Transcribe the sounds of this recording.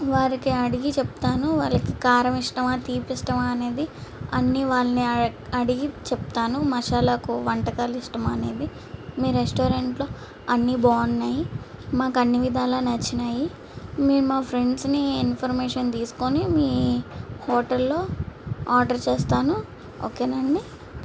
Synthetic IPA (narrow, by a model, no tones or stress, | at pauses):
ʋaːɾikiɐɽiɡit͡ʃepu̥t̪aːnuʋaːlɐkikaːɾɐmiʂʈɐmaːt̪iːpisʈɐmaːne̞ːd̪iɐ̰nːiʋaːɭɐni | ɐɽiɡit͡ʃeput̪aːnumɐʃaːlɐkuʋɐɳʈɐkaːliʂʈɐmɐne̞ːd̪i | miːɾesʈoːɾeɳʈlo̞ː | ɐnːibaːnːaːjimaːkɐnːiʋid̪ʱaːlaːnɐt͡ʃːinaːji | miːɾumaːpʰɾe̞ɳɖsniːnpʰɐɾmeːʂɐnt̪iːsu̥konimiːhoːʈɐlːo̞ːaːɾɖɐɾt͡ʃeːst̪aːnu | o̰ːkeːnɐɳːi